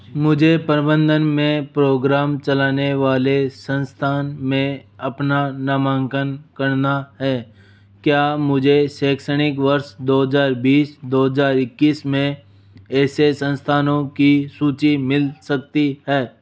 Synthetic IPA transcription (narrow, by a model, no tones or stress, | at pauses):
mʊd͡ʒʱepɾɪbə̃nd̪ʱənmẽpɾoːɡɾaːmt͡ʃɐlaːneʋaːlesə̃nst̪ʰaːnmẽɐpnanɐmãːŋkənkəɾnaɦɛː | kjaːmʊd͡ʒʱeʃɛːkʃəɽ̃ɪkʋəɾʃd̪oːɦəzaːɾbiːsd̪oːɦəzaːɾɪkːiːsmẽ | ɛːsesə̃nst̪ʰaːnõkisuːt͡ʃimɪlsək̚t̪iɦɛː